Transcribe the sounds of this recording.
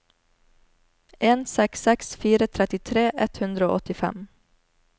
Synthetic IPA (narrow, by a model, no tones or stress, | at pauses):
eːnsɛksɛksfiːɾət̪ʰɾɛt̪ɪt̪ʰɾeːʔɛt̪hʉnd̪ɾəo̰ːʔɔt̪ɪfɛ̰m